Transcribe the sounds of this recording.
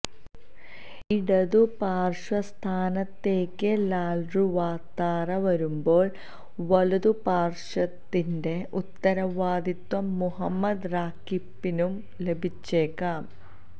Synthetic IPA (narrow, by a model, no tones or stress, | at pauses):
iɽɐðupaːrʂwɐst̪ʰaːnɐt̪ːe̞ːkːɨlaːlruʋaːt̪ːaːrɐʋɐɾumbo̞ːɭ | ʋɐɭuðupaːrʂɐt̪ːinde̞ʔut̪ːɐɾɐʋaːd̪it̪wɐmːuɦɐmːɐd̪raːkːipːinum | le̞bʱit͡ɕːeːkːaːm